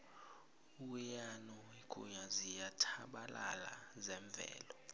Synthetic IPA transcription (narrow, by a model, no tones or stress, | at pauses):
uwɛjanɔweɡ̥ʱṵɲazijatʰaɓalala̰zɛɱb̪vʱɛ̰ːlɔ